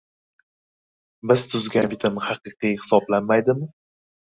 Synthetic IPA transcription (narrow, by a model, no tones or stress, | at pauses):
bɪz̥t̪ʰʊzɡʲanbɪt̪ʰɪmhɑqɨqijhɪ̥sɒblanmajd̪ɪmɪ